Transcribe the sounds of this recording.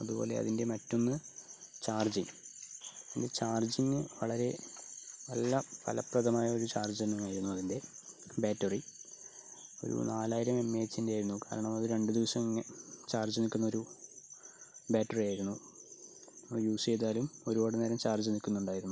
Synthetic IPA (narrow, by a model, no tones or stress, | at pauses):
ɐðubo̞ːle̞̰ɐ̰ðinde̞mɐtːo̞nːɨt͡ɕaːrd͡ʑiŋ | indet͡ɕaːrd͡ʑiŋːɨʋɐɭɐɾe̞ | ʋɐ̰lːɐpɐ̰lɐ̰prɐðɐmaːjɐo̞ɾut͡ɕaːrd͡ʑenːumaːjiɾunːuɐðinde̞ | baːtːɐri | o̞̰ɾṵnaːlaːjiɾɐme̞mːe̞ːt͡ɕːindeaːjiɾunːuka̰ːɾɐɳɐmɐðɨɾe̞ɳɖɨd̪iʋɐsɐmiŋːet͡ɕaːrd͡ʑɐnikʲːunːɐoɾu | baːtːɐrijaːjɾunːu | juːsejðaːlumo̞ɾuboːɽɨne̞ːɾɐmt͡ɕaːrd͡ʑunikʲːunːuɳɖaːjiɾunːu